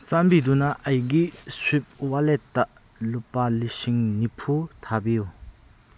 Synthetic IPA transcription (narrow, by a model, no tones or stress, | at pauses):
t͡sanbidunɐʔɐjɡiswip̚waletːa | lupalisiŋnipʰutʰabiju